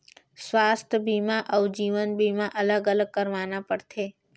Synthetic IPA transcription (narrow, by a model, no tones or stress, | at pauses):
sʋast̪ʰəbimãʔəwd͡ʒiʋənbʱimãʔələɡələɡ̚kəɾʋanapəɽt̪ʰe